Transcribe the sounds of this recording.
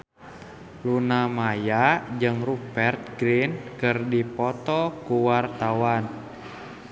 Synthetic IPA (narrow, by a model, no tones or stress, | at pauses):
lunamajad͡ʒɨŋrupɛrt̪̚ɡɾinkɨrdipɔt̪ɔkuwart̪awan